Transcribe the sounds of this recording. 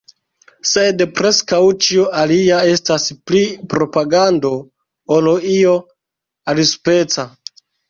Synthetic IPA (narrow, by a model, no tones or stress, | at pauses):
se̞dpɾe̞skawt͡ʃioaliae̞stasplipɾo̞paɡando̞ | oloio̞ | alispe̞t͡sa